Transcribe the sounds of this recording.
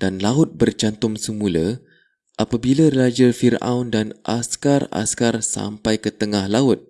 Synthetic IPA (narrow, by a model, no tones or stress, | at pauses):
d̥anlaʊt̪̚bərt͡ʃant̪ʊmsəmũla | ʔapabilarad͡ʒəlfira̰wndanʔaskara̰skarsa̰mpajkət̪əŋahlaʊt̪̚